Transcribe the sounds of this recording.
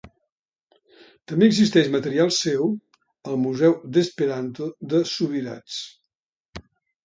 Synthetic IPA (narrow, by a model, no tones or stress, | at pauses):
t̪əmbeəɡzist̪ɛʃmət̪əɾialˠsɛw | əlˠmuzɛwd̪əspeɾant̪oðəsuβiɾa̰t͡s